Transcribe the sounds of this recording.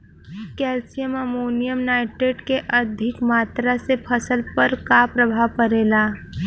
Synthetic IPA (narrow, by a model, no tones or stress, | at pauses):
kɛːlsijəməmoːnijəmnaːɪʈeɖkeʔəd̪ʱɪkmaːt̪ɾasepʰəsəlpəɾkapɾəbʱaʋkəɾeːlaː